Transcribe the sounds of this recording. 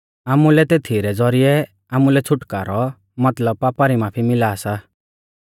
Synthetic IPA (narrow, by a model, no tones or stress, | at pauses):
amulɛt̪eːt̪ʰiɾɛd͡zɔɾijɛ | amulɛt͡sʰʊʈkaːɾɔ | mɐt̪ləb̚papaɾimaːpʰimɪlaːsa